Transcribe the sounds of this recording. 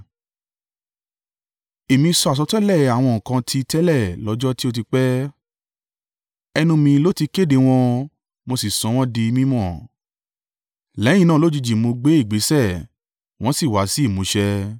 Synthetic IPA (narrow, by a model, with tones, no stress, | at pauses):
e˨mĩ˧sɔ˧a˨s̬ɔ˧tɛ˦lɛ˦˨a˨w̃ɔ̃˧˨kã˧tʰi˦˧tɛ˦lɛ˦˨lɔ˨˧˦d͡ʒɔ˦ti˦o˧t̬i˧k͡pɛ˦ | ɛ˧nũ˧mĩ˧lo˦ti˧ke˦˨de˧w̃ɔ̃˧ | mo˧si˨sɔ̃˨˧˦w̃ɔ̃˦di˧mĩ˦mɔ̃˦˨ | lɛ˨˦j̃ĩ˧nã˦˨lo˦d͡ʒi˧d͡ʒi˨mõ˧ɡ͡be˨˦i˦˨ɡ͡be˨˦sɛ˦˨ | w̃ɔ̃˦si˦˨wa˨˦si˦i˦˨mũ˨˦ʃɛ˧